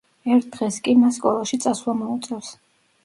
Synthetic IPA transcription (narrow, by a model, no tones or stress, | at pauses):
ɛɾt̪̚ʰd̪̥ʁɛskʼimasːkʼɔlˠaʃit̪sʼaswlamɔut̪sʼɛfs